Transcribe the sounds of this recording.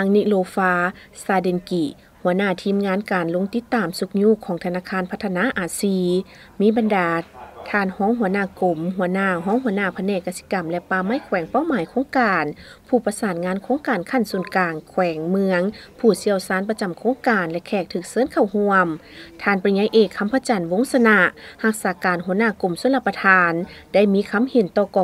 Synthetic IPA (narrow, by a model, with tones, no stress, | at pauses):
a˧ŋni˧loː˧faː˧saː˧de˧˩nki˧˩ | hu˧˩˦ənaː˧˥˩t̪ʰiː˧˥˨mŋaː˧˥˨nkaː˨˩nlo˧˥˦ŋt̪i˧˥˦t̪ːaː˨˩msu˧k̚ɲuː˧˥˨kʰɔː˨˧˦ŋt̪ʰa˧naː˧˥˩kʰaː˧˥npʰa˧t̪ʰːa˧naː˧˥˨ʔaː˨˩siː˧ | miː˧˥˨ba˨ndaː˨˩t̪ʰaː˧˩nhɔː˧˥ŋɦu˧˩˦ənaː˧˥˨ko˨˩mɦu˧˦ɐnaː˧˥˩ɦɔː˧˥ŋhu˧˦ənaː˧˩˨pʰa˧nɛː˧˩kːa˧si˧˦ka˨˩mlɛ˧paː˧˩ma˧˥˨jkʰwɛː˨˩˦ŋpa˧˥˨wmaː˨˦jkʰoː˧˥˦ŋkaː˨˩n | pʰuː˧˩pa˧saː˨˩nŋaː˧˥˨nkʰoː˧˥ŋkaː˨˩nkʰa˧˩nsuː˨˩nkaː˨˩ŋkʰwɛː˨˩˦ŋmɯ˧əŋpʰuː˧˩si˧˥əwsaː˧˥npa˧t͡ɕa˨mkʰoː˧˥ŋkaː˨˩nlɛ˧kʰɛː˧˩k̚t̪ʰɯː˧˩k̚sɤː˧˥˨nkʰa˧˩whu˧əm | t̪ʰaː˧˩npa˧i˧˩ɲa˧˥jʔeː˧˩kʰːa˧˥mpʰa˧˨t͡ɕa˨˩nʋo˧˥˨ŋsa˧na˧ha˧k̚saː˨˧˦kaː˨nhu˧˦ənaː˧˨ko˨˩mso˧˥˦la˧˩pːa˧t̪ʰaː˧nda˥˩˨jmiː˧˥˨kʰa˧˥˨mhe˨˩˦nt̪ɔː˧˩kɔː˧˨